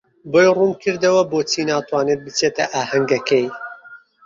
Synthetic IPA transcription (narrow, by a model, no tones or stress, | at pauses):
boːjrumkʰɨɾd̪ɐwɐboːt͡siːnaːt̪waːnet̪̚bɨt͡set̪ɐʔaːhɐŋɡɐkej